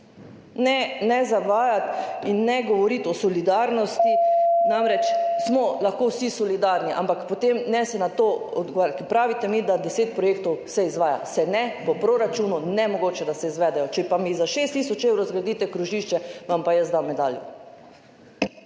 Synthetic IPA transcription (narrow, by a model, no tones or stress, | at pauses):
nɛnɛzaʋaːjat̪inːɛɡɔʋɔɾit̪ɔsɔlid̪aɾnɔst̪inamɾɛt͡ʃsmɔlaxkowsisɔlid̪aɾniʔa̰mpakpɔt̪emnɛsɛnat̪oɔd̪ɡɔʋaɾjat̪kipɾaːʋit̪ɛmid̪ad̪ɛseːt̪̚pɾɔjeːkt̪ɔwsɛizʋaːja̰sɛnɛpɔpɾoɾat͡ʃuːnunɛmɔɡoːt͡ʃɛd̪asɛizʋɛd̪ɛjɔt͡ʃɛpamizaʃest̪ːisɔt͡ʃeːwɾozɡɾad̪iːt̪ɛkɾuʒiʃt͡ʃɛʋampajəsd̪amːɛd̪a̰ːljɔ̰